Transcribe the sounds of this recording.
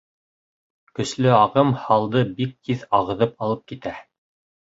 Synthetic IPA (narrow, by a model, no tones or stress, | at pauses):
kɵ̆slɵɑʁɤmhɑlˠd̪ɤbik̚t̪ʰiðɑʁɤ̆ðɤpɑlˠɤp̚kit̪æ